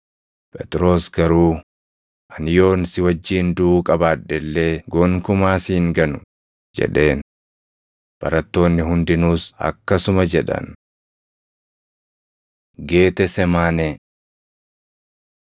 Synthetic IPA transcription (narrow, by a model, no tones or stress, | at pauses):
pʼɛt̪ʼɾo̞ːsɡɐɾuː | ʔɐnjo̞ːnsɪwɐd͡ʒːiːnd̪uːkʼɐbaːᶑɛlːeːɡoːŋkʊmaːsiːŋɡɐnʊ̥ | d͡ʒɛ̰ᶑe̞ːn | b̥ɐ̰ɾɐt̪ːo̞ːnːɪɦʊnd̪ɪnuːsɐ̰kːɐsʊmɐd͡ʒɛᶑɐ̰n | ɡe̞ːt̪ɛsɛmaːne